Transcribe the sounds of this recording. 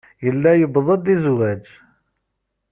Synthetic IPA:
jəlːæjəbðˤəd̪izwæd͡ʒ

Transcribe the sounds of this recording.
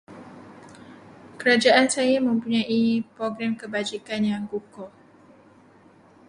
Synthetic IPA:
kəɾad͡ʒaʔansajamə̃mpuɲãʔipɾɔɡɾɛmkəbad͡ʒikanjaŋɡukɔ

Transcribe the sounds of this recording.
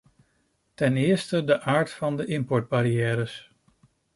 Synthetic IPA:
tɛnɪːɹstədəʔaːɹtfɑndəʔɪmpɔɹd̚baɾijɛːɾəs

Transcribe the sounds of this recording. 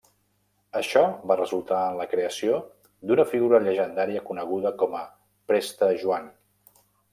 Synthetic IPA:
əʃɔβarəzulˠt̪aənləkɾeəsio | d̪unəfiɣuɾəʎəʒənd̪aɾiəkunəɣ̞uðəkɔmə | pɾest̪əʒuan

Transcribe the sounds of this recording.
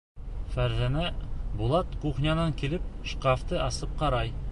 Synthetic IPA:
fæɾzænæbulˠɑt̪quχnʲɑnɑŋkilɘp̚ʃqaft̪ɤʔɑsɤp̚qɑɾɑj

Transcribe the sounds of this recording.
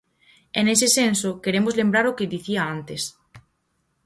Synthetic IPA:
enesɪsensokeɾemʊzlẽmbɾaɾʊkeðiθiaant̪es

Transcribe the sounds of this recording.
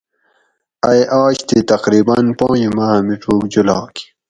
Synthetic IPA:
ɐjʔaːɕt̪it̪ɐqɾiːbɐnpɑ̃ːjimaːmiʈ͡ʂuːkd͡ʑulɑ̰ːki̥

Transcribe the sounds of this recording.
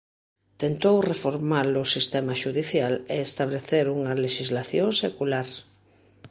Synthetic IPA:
t̪ent̪owrefoɾmalʊsist̪ɛmaʃuðiθjaleːst̪aβleθeɾuŋɐleʃizlaθjoŋsekulaɾ

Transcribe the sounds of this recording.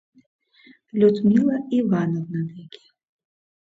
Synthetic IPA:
lʲud̪mʲilˠɐivanɔwnɐd̪akʲi̥

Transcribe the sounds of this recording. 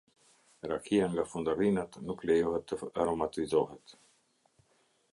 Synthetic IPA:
ɾakʰiaŋɡafund̪aɾinat̪nuklɛjɔɦɛt̪ːəaɾɔmat̪izɔɦɛt̪

